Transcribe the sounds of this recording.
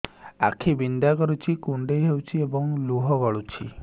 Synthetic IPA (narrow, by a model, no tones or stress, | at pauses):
a̰kʰibind̪akɔɾut͡ʃʰikuɳɖejɦewt͡ʃʰiebɔŋluɦɔɡɔɭut͡ʃʰi